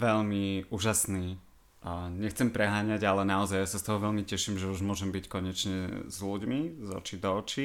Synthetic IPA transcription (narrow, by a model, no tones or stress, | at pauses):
ʋɛʎmiuːʒasniː | ɲɛxt͡sɛmpɾɛɦaːɲaɟalɛnaɔzajjasast̪ɔɦɔʋɛʎmicɛʃimʒɛuʒmʊɔʒɛmbickɔɲɛt͡ʃɲɛzluɟmizɔ̰t͡ʃid̪ɔːt͡ʃi